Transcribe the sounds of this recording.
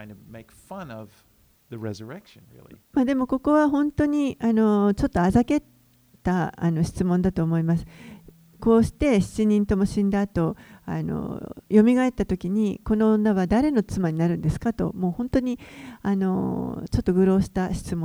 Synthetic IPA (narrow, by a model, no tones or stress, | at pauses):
ãɪ̃ndɨmeɪkfʌ̃nʌv̥ | ðɨɹɛzə˞ɛkʃɨ̃nɹɪ̰lˠḭmad̪e̞mo̞ko̞ko̞βaɦõ̞nt̪o̞ɲ̟iano̞t͡ɕo̞t̪ːo̞azake̞ | t̪ːaːno̞ɕi̥t͡sɨmõ̞nd̪at̪o̞ːmo̞imasɨ̥ | ko̞ːɕi̥t̪e̞ɕi̥t͡ɕiɲ̟ĩnt̪o̞mo̞ɕĩnd̪aːt̪o̞a̰no̰jo̞mʲiɡaet̪ːat̪o̞kʲiɲ̟iko̞nõ̞ːnːaβad̪aɾe̞no̞t͡sɨmaɲ̟inaɾɯ̟̃nd̪e̞sɨ̥kat̪o̞̰moːhõ̞nt̪o̞ɲ̟iano̞̰t͡ɕo̞t̪ːo̞ɡɯ̟ɾo̞ːɕi̥t̪aɕi̥t͡sɨmõ